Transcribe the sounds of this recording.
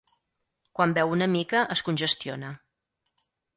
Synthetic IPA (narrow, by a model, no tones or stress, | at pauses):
kwambɛwunəmikəʔəskunʲʒəst̪ionə